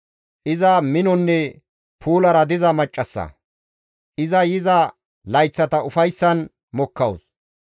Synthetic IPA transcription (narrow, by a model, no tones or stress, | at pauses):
ʔɪzɐmɪnɔnːɛ | pʰuːlɐɾɐd̪ɪzɐmɐt͡ʃʼːɐsːɐ̰ | ʔɪzɐjɪzɐ | lɐjt͡sːɐt̪ɐʊfɐjsːɐn | mɔkːɐws